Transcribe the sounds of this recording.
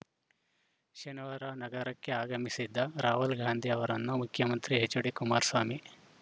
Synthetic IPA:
ʃɐnɐʋaɾɐnɐɡɐɾɐkːe̞aːɡɐmisid̪ːɐɾaːɦulɡʱaːnd̪ʱiɐʋɐɾɐnːumukʰjɐmɐnt̪ɾiɦet͡ʃːuɽikumaːɾsʋaːmi

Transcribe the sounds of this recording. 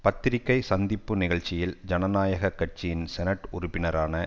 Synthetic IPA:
pɐt̪ːɪɾɪkːɐɪsɐnd̪ɪpːɯnɪɣɐɭt͡ʃːɪjɪld͡ʒɐnɐnaːjɐɣɐkːɐʈ̚t͡ʃɪjɪnsɛnɐʈːʊrʊpːɪnɐɾaːnɐ

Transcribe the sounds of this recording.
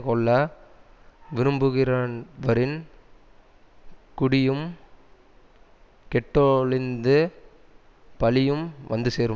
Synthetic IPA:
kɔɭːɐ | ʋɪɾɯmbɯɣɪɾanʋɐɾɪn | kʊɽɪjɯm | kɛʈːɔɭɪnd̪ɯ | pɐlɪjɯmʋɐnd̪ɯseːɾɯ

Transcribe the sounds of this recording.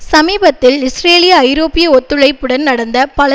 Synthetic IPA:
sɐmiːbɐt̪ːɪlɪsɾeːlɪjɐːɪɾoːpɪjɐɔt̪ːɯɻɐɪpːɯɽɐnnɐɽɐnd̪ɐpɐlɐ

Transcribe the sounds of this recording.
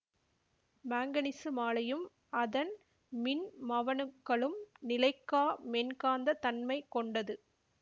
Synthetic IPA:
maːŋɡɐnɪsɯmaːlɐjɯm | ɐðɐn | mɪnmɐʋɐnɯkːɐɭɯmnɪlɐɪkːaːmɛnkaːnd̪ɐt̪ɐnmɐɪkːɔɳɖɐðɯ

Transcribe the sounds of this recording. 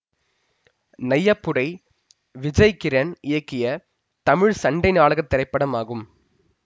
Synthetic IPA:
nɐjːɐpːɯɽɐɪ | ʋɪd͡ʒɐɪkɪɾɐnɪjɐkːɪjɐ | t̪ɐmɪɻsɐɳɖɐɪnaːɭɐɣɐt̪ːɪɾɐɪpːɐɽɐmaːɣɯm

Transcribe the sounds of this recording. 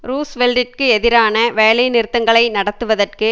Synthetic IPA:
ɾuːsʋɛlɖɪrkɯɛðɪɾaːnɐʋeːlɐjnɪɾɯt̪ːɐŋɡɐɭɐɪnɐɽɐt̪ːɯʋɐðɐrkɯ

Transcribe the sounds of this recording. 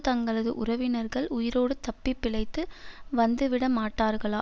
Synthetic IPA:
t̪ɐŋɡɐɭɐðɯ̰ʔʊɾɐʋɪnɐɾɣɐɭʊjɪɾoːɽɯt̪ɐpːɪpːɪɭɐɪt̪ːɯʋɐnd̪ɯʋɪɽɐmaːʈːaːɾɣɐɭaː

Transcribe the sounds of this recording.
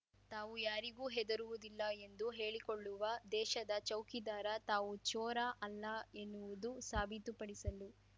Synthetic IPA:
t̪aːʋujaːɾiɡuːɦɛd̪ɐɾuʋud̪ilːɐe̞nd̪uɦe̞ːɭikoɭːuʋɐd̪ɛːʃɐd̪ɐt͡ʃɐwkid̪aːɾɐt̪aːʋut͡ʃɔːɾaʔɐlːɐe̞nːuʋud̪usaːbʱit̪upɐɽisɐlu

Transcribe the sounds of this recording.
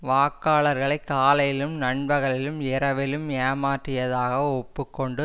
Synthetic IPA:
ʋaːkːaːlɐɾɣɐɭɐɪkːaːlɐjɪlɯmnɐɳbɐɣɐɭɪlɯmɪɾɐʋɪlɯmaːmaːʈrɪjɐðaːɣɐɔpːɯkːɔɳɖɯ

